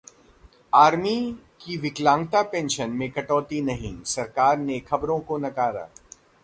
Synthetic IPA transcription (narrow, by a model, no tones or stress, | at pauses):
aːɾmi | kiʋɪklãːŋɡt̪apẽːnʃənmẽkɐʈɔːt̪inɐɦḭ̃sɐɾkaːɾnekʰɐbɾõkonɐkaːɾa̰ː